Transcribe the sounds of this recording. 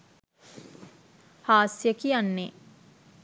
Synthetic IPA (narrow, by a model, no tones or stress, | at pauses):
haːsjəkijanːe